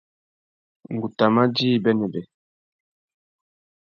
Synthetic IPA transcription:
ŋ˨ɡu˨ta˨ma˦d͡ʒi˦˨bɛ˦nɛ˨bɛ˨

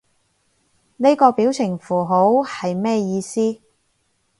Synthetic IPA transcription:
ne˥kɔː˧piː˨˥wt͡sʰɪ˨˩ŋfuː˨˩ɦo˨˥whɐ˨jmɛː˥˧jiː˧siː˥

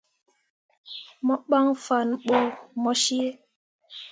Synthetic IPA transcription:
mɔ˦ɓa˦ŋfa˨nɓo˦˨mɔ˦ʃi˦e˦

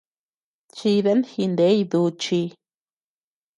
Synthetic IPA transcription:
t͡ʃi˧ðe˦nhi˧nd̪e˦jd̪u˧t͡ʃi˧

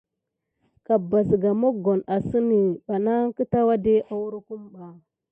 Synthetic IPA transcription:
ka˨bːa˨sɡa˨mo˦ɡo˨na˨si˦ni˨ɓa˨na˦ŋ˦ki˦ta˦wa˦de˦ʔa˦wu˦ɾku˦mɓa˨

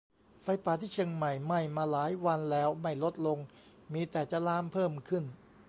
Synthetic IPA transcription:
fa˧jpaː˨˩t̪ʰiː˥˩t͡ɕʰɤ˧əŋma˨˩jma˥˩jmaː˧laː˩˦jwa˧nlɛː˦˥wma˥˩jlo˦˥t̪̚lo˧ŋ | miː˧t̪ɛː˨˩t͡ɕa˨˩laː˦˥mpʰɤː˥˩mkʰɯ˥˩n

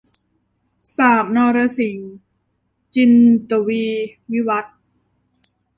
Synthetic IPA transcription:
saː˨˩p̚nɔː˧ɾa˧si˨˩˦ŋ | t͡ɕi˧nt̪u˨˩wiː˧wi˦˥wa˦˥t̪̚

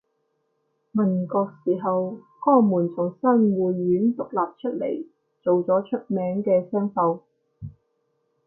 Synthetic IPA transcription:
mɐ˨˩nkɔː˧k̚siː˨˩ɦɐ˨w | kɔː˥ŋmuː˨˩nt͡sʊ˨˩ŋsɐ˥nwuː˨jːyː˨˥nt̪ʊ˨k̚laː˨p̚t͡ʃʰɵ˥t̚lḛ˨˩j | t͡so˨wt͡sɔː˨˥t͡ʃʰɵ˥t̚mɛː˨˥ŋkɛː˧sɛː˥ŋfɐ˧w

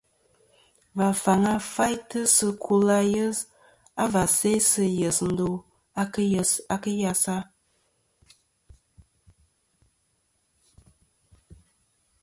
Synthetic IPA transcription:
va˨fa˨ŋa˦fa˦jtə˦sɨ˦kʰu˦la˦jə˦z | a˦va˨se˦sɨ˦jə˨sn̩˨˦do˨ | a˦ksa˨kə˦ja˨sa˦

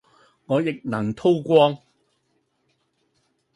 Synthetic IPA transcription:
ŋɔː˨˧jɪ˨k̚nɐ˨˩ŋt̪ʰo˥wkʷɔː˥ŋ

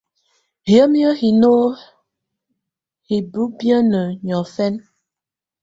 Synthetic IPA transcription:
hjə˦mjə˦hi˨no˦ | hi˨bu˦bjə˦nə˨ɲɔ˨fɛ˦n

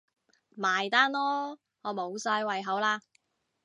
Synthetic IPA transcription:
maː˨˩jt̪aː˥nlɔː˥ | ŋɔː˨˧mo˨˧wsaː˧jwɐ˨jɦɐ˨˥wlaː˧

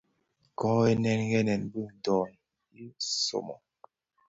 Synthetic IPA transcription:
kɔ˦e˦nɛ˨nɡɛ˦nɛ˨nbi˦˨n̩˨dɔː˨n | i˦so̰˨mɔ̰˨

